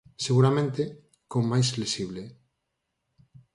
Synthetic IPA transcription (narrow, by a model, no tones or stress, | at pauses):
seɣuɾamẽnt̪e | kommajslesiβ̞le